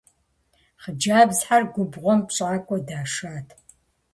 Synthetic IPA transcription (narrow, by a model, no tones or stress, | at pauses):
χəd͡ʒaːbzħarɡʷʊbʁʷɔmpɕʼʕakʷʼɔdaːʂaːtʰ